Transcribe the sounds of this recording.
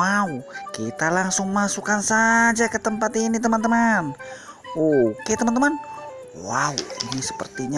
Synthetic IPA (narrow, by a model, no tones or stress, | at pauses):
aukit̪alaŋsʊŋmasukansad͡ʒakət̪əmpat̪init̪̬əmant̪əman | okat̪əmant̪əman | waṵinisə̥pə̰rt̪iɲa